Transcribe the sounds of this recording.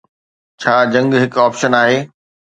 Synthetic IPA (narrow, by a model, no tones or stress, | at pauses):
t͡ɕʰaːd͡ʑɐ̃ŋɡɦɪkɔːpʃənaːɦeː